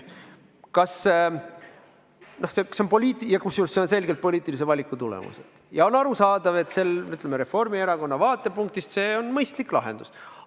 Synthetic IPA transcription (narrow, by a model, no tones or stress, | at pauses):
kɑs | no̞hsekseonpo̞liːt̪ˑijɑkusjulseonse̞lɡ̥elt̪̚po̞lʲiːt̪ːˑilis̬evɑlʲikːˑut̪ulḛmṵsḛd̪̥jɑo̞nɑɾusɑːd̪̥ɑve̞t̪ːˑse̞lyt̪ːˑlemeɾe̞fo̞rmie̞ɾɑko̞nːɑvɑːt̪ˑːe̞puŋk̚t̪ist̪se̞ːo̞nmɤjst̪likˑlɑ̰ɦe̞̰nd̪̥us